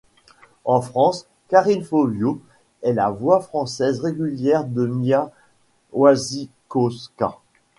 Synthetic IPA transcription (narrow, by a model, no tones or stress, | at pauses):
ɑ̃fχɑ̃s | kaʁinfovjo | ɛlavwafχɑ̃sɛzʁeɡʲyljɛʁd̪əmja | wazi | koska̰